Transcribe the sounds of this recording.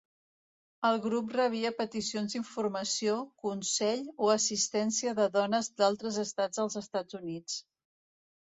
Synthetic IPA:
əlˠɣɾuprəβ̞iəpət̪isionziɱfurməsiokunsɛʎoəsist̪ɛnsiəðəðɔnəzd̪alˠt̪ɾəzəst̪ad͡zəlˠzəst̪ad͡zunit͡s

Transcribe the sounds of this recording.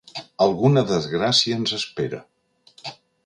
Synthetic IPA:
əlˠɣunəðəzɣɾasiəːnzəspeɾə̰

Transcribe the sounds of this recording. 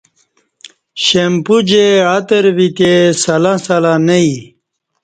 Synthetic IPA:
ɕempud͡ʑeat̪əɾvit̪esɐlãsalanei

